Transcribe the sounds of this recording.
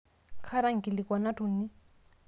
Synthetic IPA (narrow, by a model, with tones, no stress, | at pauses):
kʰa˦ɾa˦ŋ̩˨kʼi˨lɪ˨kwa˨na˦tu˨n̩˦ni˦